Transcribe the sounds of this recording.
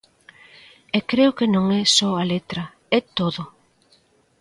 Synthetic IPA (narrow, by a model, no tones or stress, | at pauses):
ekɾeʊkenõŋɛsɔalet̪ɾɐ | ɛt̪oðʊ